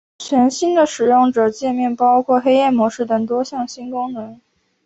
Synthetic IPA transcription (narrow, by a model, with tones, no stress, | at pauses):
t͡ɕʰɥɛ˧˥nɕi˥nd̪ə˨ʂɻ̩˨˩jʊ˥˩ŋʈ͡ʂɤ˨˩t͡ɕjɛ˥˧mjɛ˥˩npɑ˥ʊkʰwɔ˥˩xe˥ɪjɛ˥˩mwɔ˧˥ʂɻ̩˥˩t̪ə˨˩ŋt̪wɔ˥ɕjɑ˥˩ŋɕi˥nkʊ˥ŋnə˧˥ŋ